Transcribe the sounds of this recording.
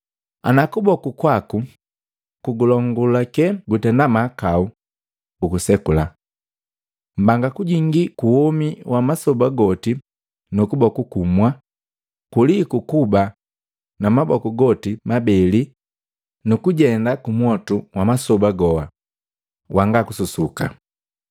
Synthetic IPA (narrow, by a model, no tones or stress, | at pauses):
a̰nakubɔkukwaku | kuɡulɔŋɡulakɛɡutɛndamakau | ukusɛkula | m̩baŋɡakuɟiŋɡikuhɔmiwʔamasɔbaɡɔti | nukubɔkukumwa | kulikukuba | namabɔkuɡɔtimabɛli | nukuɟɛndakumwɔtuwamasɔbaɡɔa | wʔaŋɡakususuka̰